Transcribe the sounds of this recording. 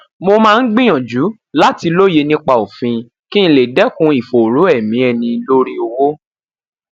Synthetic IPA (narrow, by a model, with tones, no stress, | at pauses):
mo˧mãː˦˧n̩˦ɡ͡bĩ˦j̃ɔ̃˨d͡ʒu˨˦ | la˦ti˧lo˦je˧nĩ˦k͡pa˧o˨fĩ˧ | kĩ˦ĩ˧le˨dɛ˨˦kũ˧˦i˨fo˨ɾo˨˦ɛ˦˨mĩ˨˦ɛ˧nĩ˧lo˦ɾi˧o˧wo˦